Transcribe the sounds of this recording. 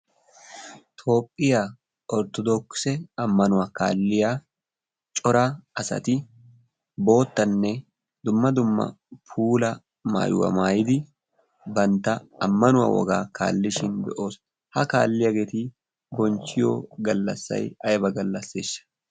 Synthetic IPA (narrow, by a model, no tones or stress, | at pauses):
t̪ʰo̞ːpʼːɪja | ɔɾt̪ɔd̪ɔksɛɐmːɐnʊwɐka̰ːlːɪjaː | t͡ʃʼɔɾaɐsɐ̰t̪ɪ | bo̞ːt̪ːɐnːɛ | d̪ʊmːɐd̪ʊmːɐ̰ | pʰuːlɐ | ma̰ːjwɐ̰maːjɪd̪ɪ | bɐnt̪ɐɐmːɐnʊwɐ̰wɔ̰ɡaːka̰ːlːɪʃɪnd̪ɛʔoːs | hɐka̰ːlːɪjɐɡɛt̪iː | ɡɔnt͡ʃːɪjo̰ːɡɐlːɐ̰sːɐ̰jɐjbɐɡɐlːɐsːeːʃːɐ̥